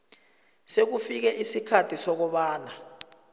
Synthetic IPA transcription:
sek̬ufik̬ɛʔisikʰatʰisɔk̬ɔɓaːna

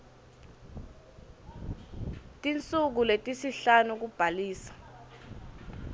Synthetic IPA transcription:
tʼint͡sʼuk̬uletʼisiɬanuk̬ub̥ʱaliːsḁ

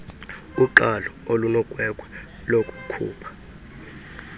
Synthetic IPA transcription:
uǃalɔolunɔkʼwɛkʼwɛ | lokʼu̥kʰṵːpʰḁ

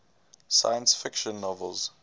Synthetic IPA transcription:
sa̰jə̃nsfɪkʃə̃nːɔvəlˠz̥

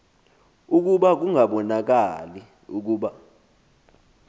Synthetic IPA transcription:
uk̬uɓak̬uŋaɓɔnak̬ali | uk̬uːɓa

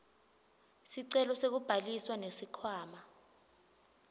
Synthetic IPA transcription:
siǀɛlɔsek̬ub̥ʱaliswanesikʰwaːma

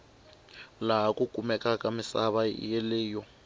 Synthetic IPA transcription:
laakʼukʼumɛkʼakʼamɪsaβajelɪːjɔ

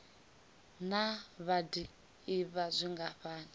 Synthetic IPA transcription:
naβadi | iβazʷiŋɡaɸaːni

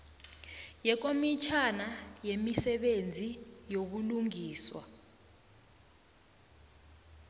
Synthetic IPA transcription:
jɛk̬omit͡ʃʰanajemisɛɓend͡zʱijok̬uluŋiːswa̰

